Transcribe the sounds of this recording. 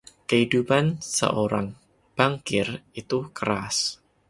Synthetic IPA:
kəhidupansə̰ʔoɾaŋ | b̥aŋkɪrit̪ukəɾas

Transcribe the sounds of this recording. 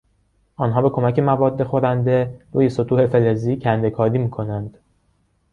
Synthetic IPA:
ʔɒːnɦɒːbe̞kʰo̞mæce̞mævɒːd̪ːe̞xo̞ɾænd̪e̞ɾuːje̞so̞t̪ʰuːhe̞fe̞leziːcʰænd̪e̞kʰɒːɾiːmiːkʰo̞nænd̪̥

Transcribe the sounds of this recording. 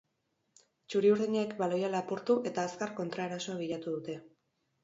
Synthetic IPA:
t͡ʃuɾiuɾðiɲaekbalo̞jalapuɾt̪uʔe̞t̪aːskarko̞nt̪ɾaeɾaso̞aβiʎat̪uðut̪e̞

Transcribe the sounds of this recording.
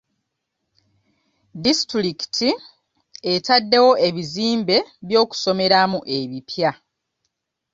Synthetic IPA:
distɾiki̥tʰi | e̞tadːe̞wo̞ʔe̞βiziːmbe̞βjo̞ːku̥so̞me̞ɾamuʔe̞βipʰja

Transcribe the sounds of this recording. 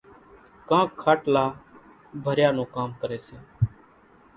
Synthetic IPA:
kãːkʰaːʈlaː | bʱəɾjaːnũːkaːmkəɾeːseː

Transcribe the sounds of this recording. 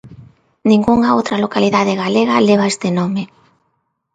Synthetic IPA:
nĩŋɡuŋaowt̪ɾɐlokaliðaðeɣaleɣaleβ̞aest̪enomɪ

